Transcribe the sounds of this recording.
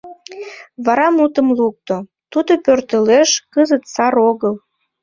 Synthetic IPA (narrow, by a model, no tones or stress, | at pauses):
βɑɾɑmut̪əmluk̚t̪o | t̪ud̪opørt̪əleʃkəzət̪sɑɾoɣəl